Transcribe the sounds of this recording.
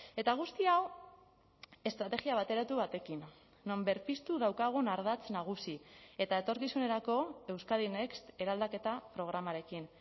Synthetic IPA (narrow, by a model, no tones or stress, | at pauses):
e̞t̪aɣ̞ust̪iaw | e̞st̪ɾat̪e̞ɣiaβ̞at̪e̞ɾat̪uβat̪e̞kinː | o̞mbe̞ɾpist̪uðawkaɣ̞unaɾð̞at͡snaɣ̞usie̞t̪aet̪o̞ɾkisune̞ɾako̞e̞wskaðinekst̪e̞ɾald̪ake̞t̪apɾo̞ɣ̞ɾamaɾe̞kin